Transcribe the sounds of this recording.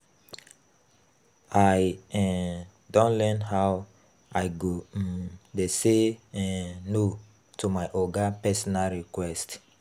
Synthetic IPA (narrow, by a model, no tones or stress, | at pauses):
ajɛ | dɔ̃nlɛnɦaw | aɪɡodese | no | tomaɪʔɔɡapɛsɔnalɹikwɛst